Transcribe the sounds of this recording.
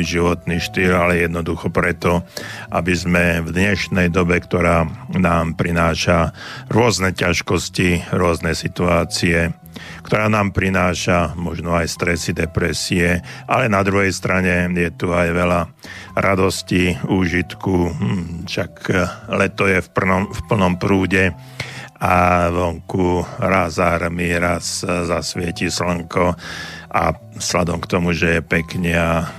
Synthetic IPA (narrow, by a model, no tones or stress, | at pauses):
ʒiʋɔt̪niʃt̪iːlalɛjɛd̪nɔd̪uxɔpɾɛt̪ɔʔa̰bizmɛvd̪ɲɛʃnɛjd̪ɔbɛkt̪ɔɾaːnaːmpɾinaːʃaɾʊɔznɛcaʃkɔsciɾʊɔznɛsit̪uaːt͡siɛ | kt̪ɔɾaːnaːmpɾinaːʃamɔʒnɔajst̪ɾɛsid̪ɛpɾɛsiɛʔalɛnad̪ɾuɦɛjst̪ɾaɲɛjɛt̪uajʋɛla | ɾʔad̪ɔsciuːʒit̪kuʃaklɛt̪ɔjɛfp̩nɔfpl̩nɔmpɾuːɟɛ | aʋɔŋkuɾazaɾmiɾaszasʋɪɛcislŋkɔʔa̰ | sla̰d̪ɔmkt̪ɔmuʒɛjɛpɛkɲɛa